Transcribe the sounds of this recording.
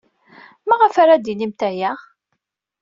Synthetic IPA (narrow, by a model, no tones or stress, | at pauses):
maʁəfaɾad̪inimt̪æjaʁ